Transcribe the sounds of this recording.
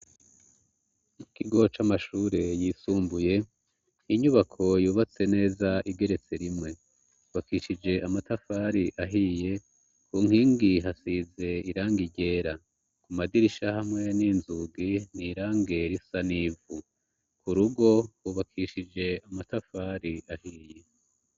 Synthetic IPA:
mukiɡo̞t͡ʃamaʃuːɾe̞jiːsuːmbuje̞ | niɲuβakʰo̞juːβat͡se̞ne̞ːzaʔiɡe̞ɾe̞t͡se̞ɾimŋe̞ | uβakiʃid͡ʒe̞ʔamatafaɾiʔaɦije̞ | kuŋ̥hiːŋɡiɦasize̞iɾaːŋɡiɟe̞ːɾa | kumadiɾiʃahamŋe̞niːnzuɡiniɾaːŋɡe̞ɾisaniːvu | kuɾuɡo̞wuβakʰiʃid͡ʒe̞amatafaɾiʔahiːje̞

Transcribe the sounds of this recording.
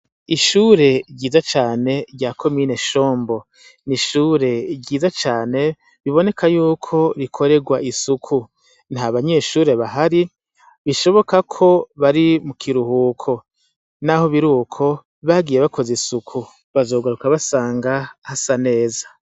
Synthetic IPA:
iʃuːɾe̞ɟiːzat͡ʃaːne̞ɾɟaːkʰo̞miːne̞ʃo̞ːmbo̞ | niʃuːɾe̞ɟiːzat͡ʃaːne̞ | βiβo̞ne̞kʰajuːkʰo̞ɾikʰo̞ɾe̞ɡwaʔisukʰu | n̥haβaɲe̞ʃuːɾe̞βaɦaɾi | βiʃo̞βo̞kakʰo̞βaɾimukʰiɾuhuːkʰo̞ | naho̞βiɾuːkʰo̞ | βaɡiːje̞βakʰo̞zisukʰu | βazo̞ːɡaɾukaβasaːŋɡahasane̞ːzḁ

